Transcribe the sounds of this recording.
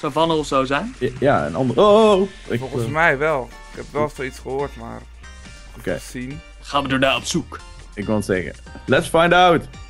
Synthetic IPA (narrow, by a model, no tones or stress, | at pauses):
sowvɑnəlˠɔfsowzɛjnjaə̰nɑ̰ndəo | ɪkfɔsmɛjʋɛlˠ | ɪkɛpʋɛlˠstitsχəɦoːɹtma̰ːr | okḛːsin | χaːnʋədoːɹnaːɔpsuk | ɪkʋɪlˠətsɛχə̰ | lɛtsfãjndawt